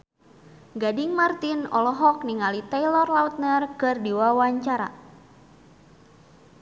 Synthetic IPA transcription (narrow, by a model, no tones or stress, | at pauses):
ɡadiŋmart̪inɔ̰lɔɦɔk̚niŋalit̪ɛjlɔrlaut̪̚nərkɨrdiwawaɲt͡ʃaɾa̰